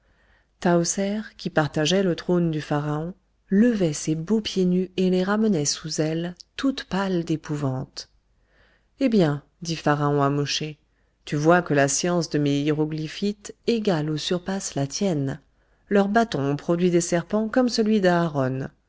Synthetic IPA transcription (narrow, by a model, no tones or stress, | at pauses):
t̪aosɛʁkʲipaʁt̪aʒɛlət̪χond̪yfaʁaɔ̃ | ləvɛsebopjenyeleʁamənɛsuzɛlt̪ut̪pald̪epuvɑ̃t̪ | ebjɛ̃ | d̪ifaʁaɔ̃amɔʃe | t̪yvwakəlasjɑ̃sd̪əmeiʁɔɡlifit̪eɡalosyʁpaslat̪jɛn | lœʁbat̪ɔ̃pχɔd̪ɥid̪esɛʁpɑ̃kɔmsəlɥid̪aːʁɔn